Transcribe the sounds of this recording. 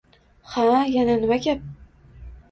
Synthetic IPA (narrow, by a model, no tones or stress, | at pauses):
hajananɪmakʲap̚